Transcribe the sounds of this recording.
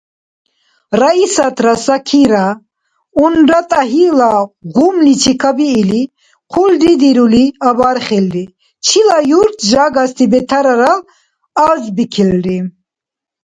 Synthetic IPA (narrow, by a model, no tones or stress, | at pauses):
ɾaisat̪ʰɾasakʰiɾa | unɾat̪ʼaɦilaɣumlit͡ʃʰikʰabiːli | qʰuld̪id̪iɾuliabaɾχɛlɾi | t͡ʃʰilajuɾt̪ʰʒaɡast̪ʰibɛt̪ʰaɾaɾal | aɾzbikʰɛlɾi